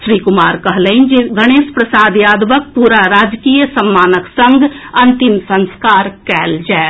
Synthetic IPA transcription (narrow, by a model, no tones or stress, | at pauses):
ʃɾiːkʊmaːɾkɐɦleind͡ʒiɡɐɽ̃eːʃpɾəsaːd̪jaːd̪ʋək̚puːɾaɾaːd͡ʒkiːjəsɐmːaːnəksɐ̃ŋɡɐ̃nt̪ɪmsɐ̃nskaːɾkɛːld͡ʒaːe